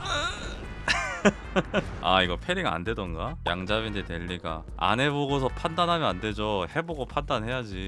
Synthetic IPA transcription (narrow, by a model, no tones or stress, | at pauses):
aiɡʌpʰe̞ɾiɡaa̰nde̞dʌnɡaja̰ŋd͡ʑabindete̞ʎːiɡa̰ | a̰nɦe̞boɡos̬ʰʌpʰandanɦamjʌnande̞d͡ʑohe̞boɡopʰandanɦe̞jad͡ʑi